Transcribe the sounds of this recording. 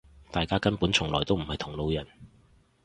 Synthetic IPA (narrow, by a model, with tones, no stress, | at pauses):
t̪aː˨jkaː˥kɐ˥npu˨˥nt͡sʰʊ˨˩ŋlɔː˨˩jt̪o˥wm̩˨˩hɐ˨jt̪ʰʊ˨˩ŋlo˨˧wjɐ˨˩n